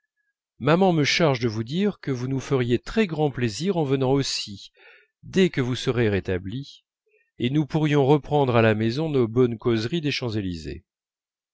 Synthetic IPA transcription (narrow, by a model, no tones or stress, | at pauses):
mamɑ̃məʃaʁʒd̪əvud̪iʁkəvunufəʁjet̪χɛɡʁɑ̃pleziʁɑ̃vənɑ̃osi | d̪ɛkəvusəʁeʁet̪abli | enupuʁjɔ̃ʁəpχɑ̃d̪ʁalamezɔ̃nobɔnkozʁid̪eʃɑ̃zelizḛ